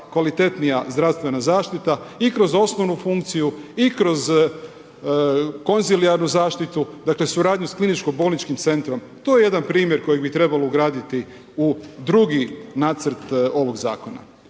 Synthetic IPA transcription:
kʋalit̪e̞t̪nijazd̪ɾaʋst̪ʋe̞nazaːʃt̪it̪aikɾo̞zo̞snoʋnufuŋkt̪sijuikɾo̞z | ko̞nziliaɾnuzaːʃt̪it̪ud̪akle̞suɾaːd̪ɲusklinit͡ʃkobo̞ːlˠnit͡ʃkimt̪se̞nt̪ɾo̞m | t̪o̞ːjeje̞d̪anpɾiːmjeɾko̞jeɡbit̪ɾe̞balouɡɾaːd̪it̪i | ud̪ɾuɡinaːt̪səɾt̪o̞ʋo̞ɡza̰ːko̞na̰

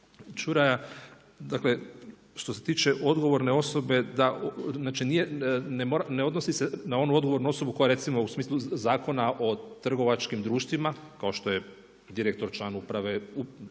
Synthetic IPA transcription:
t͡ʃuɾaja | d̪akle̞ | ʃt̪o̞se̞t̪iːt͡ʃeʔo̞d̪ɡo̞ʋo̞ɾne̞o̞so̞be̞d̪aznaːt͡ʃinijenemoɾaneo̞d̪nosisenao̞nuo̞d̪ɡo̞ʋo̞ɾnuo̞so̞bukoaɾe̞t̪imo̞usmiːslˠuzaːko̞naʔo̞t̪r̩ɡo̞ʋat͡ʃkimd̪ɾuːʃt̪ʋimakao̞ʃt̪o̞je̞ | d̪iɾek̚t̪o̞ɾt͡ʃlˠaːnupɾaʋe̞u

